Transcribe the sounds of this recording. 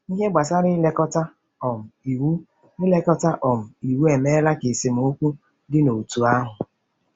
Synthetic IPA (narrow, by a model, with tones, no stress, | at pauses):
i˦ɦe˦ɡ͡ba˨sa˦ɾɪ˦le˦kɔ˦ta˦ | ɔ˨m̩˨i˨wu˦ | ɪ˦le˦kɔ˦ta˦ʔɔ˨m̩˨i˨wu˦e˨me˦la˦ke˨si˨m̩˨˦o˦kʷu˦ | dɪ˦no˨tu˨a˦ɦʊ˨